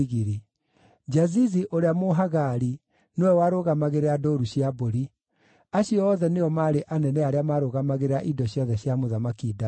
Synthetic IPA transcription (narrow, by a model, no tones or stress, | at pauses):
ɣiɾi | d͡ʒaziziʔoɾeamoɦaɣaɾi | nowɛwaɾoɣamaɣeɾeadoːɾuɕiaboɾi | aɕiɔːðɛneɔmaːɾeʔanɛnɛaɾeamaɾoɣamaɣeɾaʔidɔɕjɔðɛɕjamoðamakiːda